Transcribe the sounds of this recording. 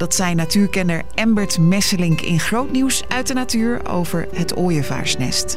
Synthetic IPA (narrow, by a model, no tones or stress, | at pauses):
d̥ɑtsɛjnatyːɹkɛnəɹɛmbəɹtmɛsəlɪŋkɪ̰nχrowtniws | œɥt̚dənatyːɹ | o̰wvəɹɦətoːjəva̰ːɹsnɛ̰st